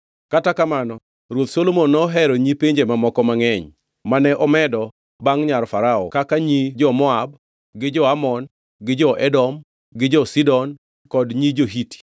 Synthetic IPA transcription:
katakamanɔ | ɾwot̪solomonːɔɦɛɾɔɲipeɲd͡ʒemamɔkɔmaŋɛɲ | manɛʔɔmɛdɔ | baŋɲarfaɾaɔ̰kakaɲid͡ʒɔmɔab | ɡɪd͡ʒɔamɔn | ɡɪd͡ʒɔʔɛdɔm | ɡɪd͡ʒɔsidɔn | kɔdɲid͡ʒoɦiti̥

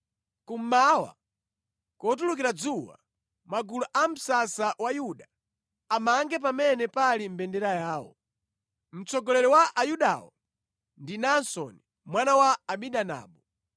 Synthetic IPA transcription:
kum̩mawa̰ | kɔt̬ulukiɾad͡zuwa̰ | maɡuluʔam̩sasawajuɗa | amaŋɡɛp̬amɛnɛpalim̩bɛndɛɾajaːwɔ̰ | m̩t͡sɔɡɔlɛɾɔwaʔajuɗa̰wɔ̰ | ndinansɔ̰ni | mwanawaːɓiɗana̰ːɓɔ

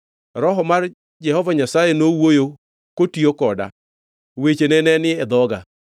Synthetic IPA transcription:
ɾɔɦɔmar | d͡ʒɛɦɔvaɲasajenowojo | kotiokɔda̰ | wet͡ʃenɛnɛnɪɛd̪ɔɡa

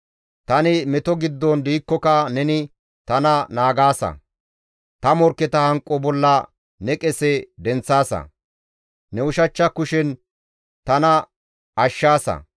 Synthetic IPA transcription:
t̪ɐnɪmɛt̪ɔɡɪd̪ːɔnd̪iːkːɔkɐnɛnɪ | t̪ɐnɐnaːɡaːsɐ̰ | t̪ɐmɔɾkːɛt̪ɐhɐŋkʼːɔbɔlːɐ | nɛkʼɛsɛd̪ɛnt͡sːaːsɐ̰ | nɛʊʃɐt͡ʃːɐkʊʃɛn | t̪ɐnɐ | ɐʃːaːsɐ̰

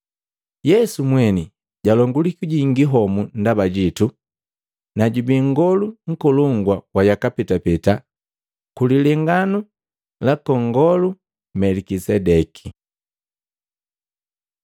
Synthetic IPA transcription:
jɛsumwɛni | ɟalɔŋɡulikuɟiŋɡiɦɔmundabaɟitu | naɟubiŋɡɔluŋ̩kɔlɔŋɡwawajakapɛtapɛta | kulilɛŋɡanu | lakɔŋɡɔlu | mɛlikisɛdɛkʰi̥

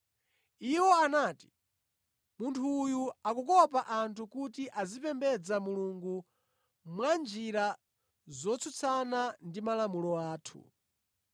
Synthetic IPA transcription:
iwɔanaːti̥ | muntʰuːjuakukɔpaʔantʰukutiʔazipɛmbɛd͡zamuluŋɡu | mwand͡ʒiɾa | zɔt͡sʰut͡sʰanandimalamulɔaːtʰṵ

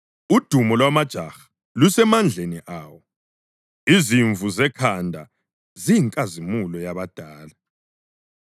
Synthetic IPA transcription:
ud̥ʱumɔlwamad̥ʒ̥ʱaxḁ | lusɛmand͡ɮʱeniʔaːwɔ | iziɱvʱuzɛkʰandʱa̰ | zijiŋkʼazimulɔjaβad̥ʱaːla

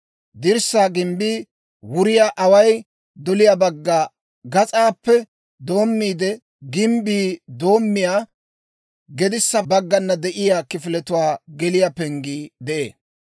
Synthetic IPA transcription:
d̪ɪɾsːaːɡɪmbiː | wʊɾɪjaʔɐwɐj | d̪ɔlɪjabɐɡːaː | ɡɐt͡sʼaːpːɛ | d̪o̞ːmːiːd̪ɛ | ɡɪmbiːd̪o̞ːmːɪjaː | ɡɛd̪ɪsːɐbɐɡːɐnːɐd̪ɛʔɪjaːkɪfɪlɛt̪ʊwaːɡɛlɪjapɛŋɡiːd̪ɛʔḛː

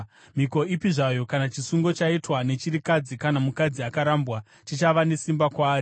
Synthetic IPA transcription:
miko̞ipiʐajo̞kanat͡ʃisuŋɡo̞t͡ʃaitwane̞t͡ʃiɾikad͡zikanamukad͡ziakaɾambwa | t͡ʃit͡ʃaʋane̞simbakwaːɾi

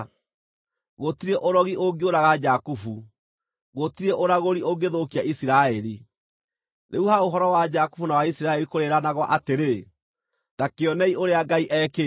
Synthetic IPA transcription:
ɣotiɾɛʔoɾɔɣiʔoɡeoɾaɣad͡ʒakufu | ɣotiɾɛʔoɾaɣoɾioɡeðokiaʔisiɾaɛɾi | ɾeuhaoɦɔɾɔwad͡ʒaku̥funawaisiɾaɛɾikoɾeɾanaɣwɔʔateɾe | takeɔnɛioɾeaɡaiʔɛke

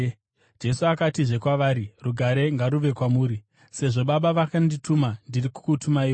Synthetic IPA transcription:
d͡ʒe̞suakatiʐe̞kwaʋaːɾiruɡʱaɾe̞ŋɡaɾuʋe̞kwamuːɾi | se̞ʐo̞ɓaɓaʋakanditumandiriku̥kutumaiːo

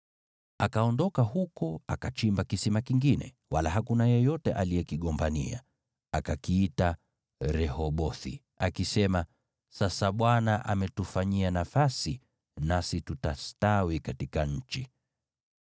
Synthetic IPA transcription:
akaɔndɔkahukɔakat͡ʃimbakisimakiŋɡinɛ̰ | walaɦakunajɛjɔtɛʔaliɛkiɠɔmbanḭa̰ | akakiita | ɾɛhɔɓɔθḭ | akisɛma | sasaɓwanaʔamɛtufaɲianafasi | nasitutastawikatikaɲ̩t͡ʃi

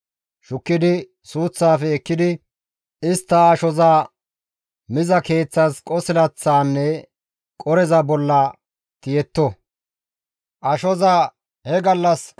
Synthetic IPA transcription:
ʃʊkːɪd̪ɪ | suːt͡sːaːfɛɛkːɪd̪ɪ | ɪst̪ːɐːʃɔzaː | mɪzɐke̞ːt͡sːɐskʼɔsɪlɐt͡sːaːnːɛ | kʼɔɾɛzɐbɔlːɐ | t̪ɪjɛt̪ːɔ | ʔɐʃɔza | hɛɡɐlːɐs

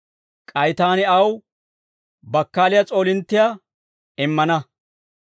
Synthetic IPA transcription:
kʼɐjt̪aːnɪɐw | bɐkːaːlɪjat͡sʼo̞ːlɪnt̪ːɪja | ɪmːɐnɐ

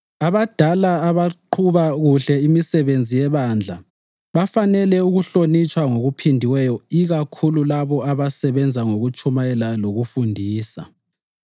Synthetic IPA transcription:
aβad̥ʱalaːβaǃʰuβaɣuɬɛimisɛβend͡zʱijɛβand͡ɮʱa | βafanɛlɛuɣuɬonit͡ʃʼwaŋoɣupʰindʱiwɛjɔiɣakʰululaβɔaβasɛβɛnd͡zʱaŋoɣut͡ʃʰʼumajɛlaloɣufundʱiːsa̰

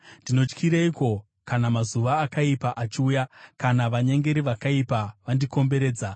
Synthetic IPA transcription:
ndino̞t͡ʃkʰiɾeiko̞ | kanamazuʋaːkaipaʔat͡ʃiuːjakanaʋaɲeŋɡe̞ɾiʋakaipaʋandiko̞mbe̞ɾeːd͡za

